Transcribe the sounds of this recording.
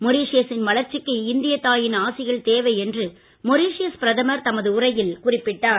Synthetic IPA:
mɔɾiːʂɪjɐsɪnmɐlɐɾt͡ʃːɪkːɯɪnd̪ɪjɐt̪ːaːjɪnaːsɪɣɐɭt̪eːʋɐɪɛndrɯ | mɔɾiːʂɪjɐspɪɾɐðɐmɐɾt̪ɐmɐðɯʊrɐjɪlkʊrɪpːɪʈːaːɾ

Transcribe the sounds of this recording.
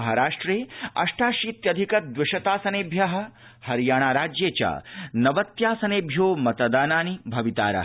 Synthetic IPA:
ɐɦaɾaːʂʈɾeːɐ̰ʂʈaːʃiːt̪jɐd̪ʱikɐt̪̚d̪ʋɪʃɐt̪aːsɐneːbʱjɐɦɐ̆ | hɐɾjaːɳ̃aːɾaːd͡ʒjeːt͡ʃɐ̰nɐʋɐt̪jaːsɐneːbʱjoːmɐt̪ɐd̪aːnaːnibʱɐʋit̪aːɾɐ̰ɦ

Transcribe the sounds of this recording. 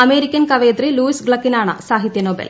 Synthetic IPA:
ɐmeːɾikkʲːɐnkɐʋeːd̪ɾiluːisɡɭɐkːinaːɳɐ̰saːɦit̪jɐnoːbḛl

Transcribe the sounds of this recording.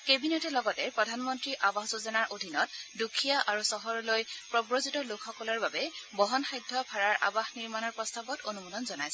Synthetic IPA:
kebinetɛlɔɡɔtɛpɹɔdʱanmɔntɹiʔabaxzuzɔnaɹʔodʱinɔtdukʰijaʔaɹusɔɦɔɹɔlojpɹɔbɹozutɔlokʰxɔkɔlɔɹbabɛbɔɦɔnxajdʱːɔpʰaɹaɹʔa̰baxniɹmanɔɹpɹɔstabɔtonumudɔnzɔnajsɛ

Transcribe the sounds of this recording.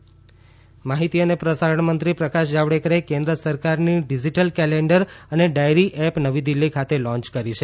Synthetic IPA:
maɦit̪iənepɾəsaɾəɳmənt̪ɾipɾəkaʃd͡ʒaʋɽekəɾekẽnd̪ɾəsəɾkaɾniɖid͡ʒiʈəlkɛleɳɖəɾəneɖajɾiʔɛpnəʋid̪ilːikʰat̪elɔ̃ɲt͡ʃkəɾit͡ʃʰe

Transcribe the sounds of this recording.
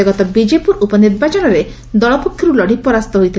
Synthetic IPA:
eɡɔt̪ɔbid͡ʒepuɾupɔniɾbat͡ʃɔnɔɾe | d̪ɔɭɔpokʰjɔɾulɔɽ̤ipɔɾast̪ɔɦojt̪ʰi

